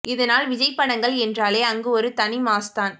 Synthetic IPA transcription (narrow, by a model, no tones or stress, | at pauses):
ʔɪðɐnaːlʋɪd͡ʒɐɪpːɐɳɐŋɡɐɭɛndraːleːɐŋɡɯɔɾɯt̪ɐnɪmaːst̪aːn